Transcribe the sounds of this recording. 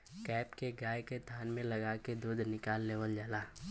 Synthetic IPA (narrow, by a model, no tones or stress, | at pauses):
kɛːpkeɡaːjket̪ʰaːnmẽlɐɡaked̪oːd̪ʱnɪkaːlːeːʋəld͡ʒaːlaː